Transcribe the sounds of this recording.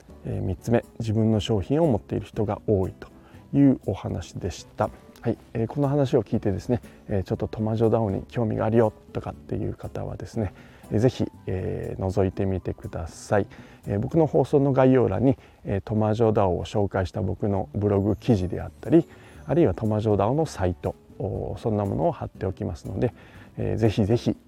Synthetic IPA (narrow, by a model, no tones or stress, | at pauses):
ḛːmʲitt͡sɨme̞d͡ʑibɯ̟̃nːo̞ɕo̞ːçĩɰ̃o̞mo̞t̪ːe̞ḭɾɯ̟çi̥t̪o̞ɡa̰o̞ːit̪o̥ | jɯ̟ːo̞hanaɕi̥d̪e̞ɕi̥t̪a | haieːko̞no̞ɦanaɕ̬io̞kʲiːt̪e̞d̪e̞sɨne̞ | eːt͡ɕo̞t̪ːo̞t̪o̞maʑo̞d̪ao̞ɲ̟ḭkʲo̞ːmʲḭɡa̰ːɾʲijo̞t̪ːo̞kat̪ːe̞̰jɯ̟̰ːkat̪a̰βa̰d̪e̞sɨne̞ | eze̞çḭḛːno̞zo̞it̪e̞mʲit̪e̞kɯ̟d̪asai | ebo̞kɯ̟no̞ho̞ːso̞ːno̞ɡaijo̞ːɾa̰ɲ̟ːi | eːt̪o̞maʑo̞ːd̪ao̰ːɕo̞ːkaiɕi̥t̪abo̞kɯ̟no̞bɯ̟ɾo̞ɡɯ̟kʲiʑid̪e̞̰a̰t̪ːaɾʲi | aɾɯiβat̪o̞maʑo̞ːd̪aono̞sait̪o̞ | sõ̞nːamo̞̰no̞ːhat̪ːe̞o̞kʲimasɨno̞̰d̪e̞ | ḛːze̞çize̞çi